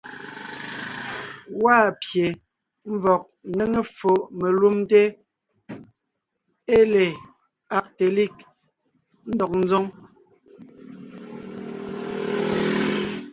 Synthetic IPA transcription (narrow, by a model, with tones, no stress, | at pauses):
waː˦˨pje˨ | m̩˦vɔ˨k̚ne˦ŋe˦fo˨ʔme˨lu˦mte˦ | e˦le˨ | a˨k̚te˨li˦˨k | n̩˦dɔ˨k̚n̩˦zɔ˦ŋ